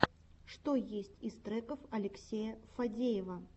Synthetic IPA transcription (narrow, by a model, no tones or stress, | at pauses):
ʂt̪ojesʲtʲist̪ɾɛkəfɐlʲɪksʲejɐfɐdʲejɪvɐ